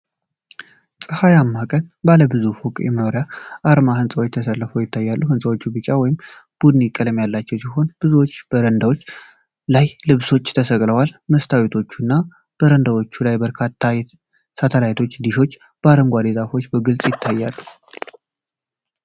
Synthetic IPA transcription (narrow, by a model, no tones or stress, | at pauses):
sʼɨhajamːakʼənbaləbɨzufukʼjɛ̰mənoɾjaʔaɾmahɨnsʼəwt͡ʃt̪ʰəsəlːəfəwjɪt̪ʰːajːalːuuhɨnsʼəwot͡ʃːubɨt͡ʃʼːawɔjɪmb̥ud̪ɨnikʼələmjalːat͡ʃːɛwsiɦo̞nb̥ɨzuwot͡ʃːb̥əɾənd̪awot͡ʃː | lajlɨβso̞t͡ʃːt̪ʰəsəkʼləwalməst̪ʰawit̪ʰo̞t͡ʃːunːa | b̥əɾənd̪awo̞t͡ʃːulajbəɾkʰat̪ʰːa | sat̪ʰəlajt̪ʰo̞t͡ʃːd̪iʃo̞t͡ʃː | b̥əaɾəŋɡʷad̪ezafo̞t͡ʃːbəɡɨlt͡sʼjɪt̪ʰːajːalːu